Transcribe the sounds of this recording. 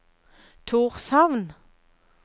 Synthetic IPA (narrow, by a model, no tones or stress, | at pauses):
t̪ʰuːʁsɑʋn